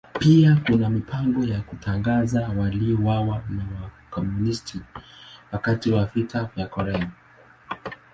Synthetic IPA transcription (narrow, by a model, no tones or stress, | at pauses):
piakunamipaŋɡɔjakutʰaŋɡazawaliɔwawanawakɔmunistʰiwakatiwavitʰavjakɔɾɛa